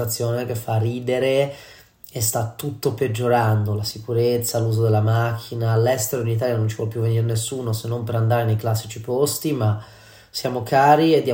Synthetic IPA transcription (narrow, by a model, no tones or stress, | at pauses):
at̪sːjoːnek̟efːarːiːd̪eɾe | est̪at̪ːut̪ːoped͡ʒːoɾand̪olasikuɾet̪sːaluːzod̪elːamakʰːinaːlːɛst̪eɾoinit̪aːljanont͡ʃi̥vwɔlpːjuvːeniɾenesːuːnosenːompeɾand̪aːɾenejklasːit͡ʃipost̪ima | sjaːmokaːɾied̪ːja